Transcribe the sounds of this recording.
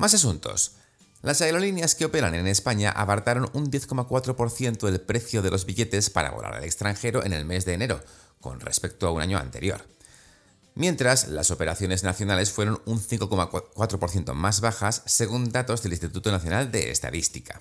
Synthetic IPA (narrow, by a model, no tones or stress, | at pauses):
mas̬as̬unt̪o̞̰s | lasaeɾo̞linjaske̞o̞pe̞ɾane̞ne̞spaɲa̰ʔa̰βaɾt̪aɾo̞nund̪je̞θko̞makwat̪ɾo̞poɾθje̞nt̪oe̞lpɾe̞θjo̞ð̞e̞lʔo̞zβiʎe̞t̪e̞spa̰ɾa̰βo̞̰la̰ɾa̰le̞kst̪ɾaŋxe̞ɾo̞ʔe̞̰ne̞lme̞zðe̞ːne̞ɾo̞̰ | ko̞̰nre̞̰spe̞k̚t̪oauna̰ɲoa̰nt̪e̞ɾjo̰ɾ | mjẽ̞nt̪ɾasla̰so̞pe̞ɾaθjo̞ne̞znaθjo̞nale̞sfwe̞ɾo̞nunθiŋko̞komakwat̪ɾo̞po̞ɾθjent̪o̞̰mazβaxasːe̞ɣ̞und̪at̪o̞zðe̞linst̪it̪ut̪onaθjo̞nald̪e̞̰ːst̪a̰ðist̪ika